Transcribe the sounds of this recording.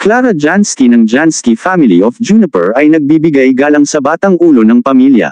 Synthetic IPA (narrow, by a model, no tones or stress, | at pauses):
klaːɾɐd͡ʒanskinɐŋd͡ʒanskifamɪliɔfd͡ʒunɪpɛ̰ɹɐjnɐɡ̚bibɪɡajɡaːlɐŋsɐbaːt̪ɐŋʔuːlo̞nɐŋpɐmiljɐ̰